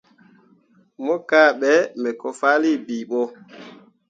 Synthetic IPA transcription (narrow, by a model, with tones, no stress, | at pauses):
mɔ˦kaː˦˨ɓɛ˦mɛ˨kɔ˨fa˦li˦˨bi˨ɓɔ˦